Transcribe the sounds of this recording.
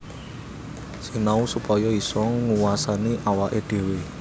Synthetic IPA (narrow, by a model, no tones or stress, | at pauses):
sinausupɔjɔisɔŋuwasaniʔawaʔeɖ̪̥e̤we